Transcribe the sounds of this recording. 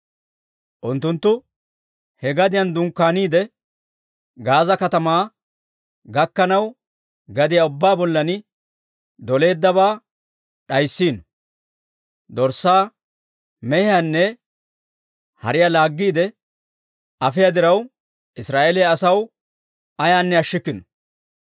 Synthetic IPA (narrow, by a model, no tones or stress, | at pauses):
ʔʊnt̪ːʊnt̪ːʊ | hɛɡɐd̪ɪjɐnd̪ʊŋkːaːniːd̪ɛ | ɡaːzɐkɐt̪ɐmaː | ɡɐkːɐnɐw | ɡɐd̪ɪjaʊbːaːbɔlːɐnɪ | d̪ɔle̞ːd̪ːɐβaː | ɗɐjsːiːnɔ | d̪ɔɾsːaː | mɛhɪjanːɛ | hɐ̰ɾɪjalaːɡːiːd̪ɛ | ɐfɪjɐd̪ɪɾɐw | ʔɪsɾaːʔeːlɛjaːsɐw | ɐjaːnːɛɐʃːɪkːɪnɔ̥